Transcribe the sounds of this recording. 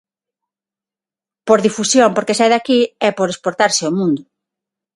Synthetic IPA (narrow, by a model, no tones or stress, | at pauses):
poɾðifusjompoɾkesɛðakiɛpoɾespoɾt̪aɾsɪomũnd̪ʊ